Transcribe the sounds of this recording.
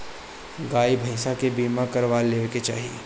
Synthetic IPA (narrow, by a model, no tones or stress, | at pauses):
ɡaːibʱɐɪsakebiːmakɐɾʋaleːʋeket͡ʃa̰ːɦiḛː